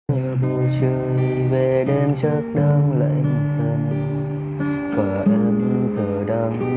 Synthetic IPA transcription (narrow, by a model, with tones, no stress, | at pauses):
ɲə˨˩ɓo˧˩t͡ɕə˧jve˨˩ɗe˧mt͡ɕə˦˥k̚ɗa˧ŋla̰ː˧˨jmo˨˩t̚səː˧mu˧˩ | kwaː˨˩ʔɛ˧mzəː˨˩ɗa˧ŋ